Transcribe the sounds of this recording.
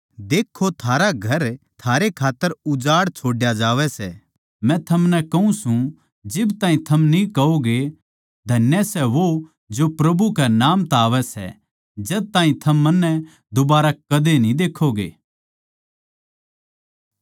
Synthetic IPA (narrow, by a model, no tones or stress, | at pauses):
d̪eːkʰːot̪ʰaːɾaɡʱɐɾt̪ʰaːɾekʰaːt̪ːəɾʊd͡ʒaːɽt͡ʃʰoːɽjad͡ʒaːʋɛsɛː | mɛ̃t̪ʰɐmnɛkɐũsũ | d͡ʒɪbt̪aːĩt̪ʰɐmnĩkɐoɡe | d̪ʱɐnjɛsɛʋo | d͡ʒopɾɐbʱukɛnaːmt̪aːʋɛsɛ̰ | d͡ʒɐd̪̚t̪aːĩt̪ʰɐmːɐnːɛ̃ | d̪obaːɾakɐd̪enĩd̪eːkʰːoɡḛː